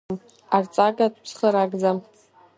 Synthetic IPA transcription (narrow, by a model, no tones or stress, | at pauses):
m | art͡sʼaɡʼatʰʼpʰsχəɾaɡd͡zam